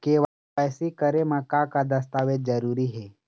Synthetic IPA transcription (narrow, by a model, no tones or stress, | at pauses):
keːʋa | pɛːsikəɾemɐkaːkad̪ɐst̪aːʋed͡ʒ̪d͡ʒəɾuːɾiɦɛː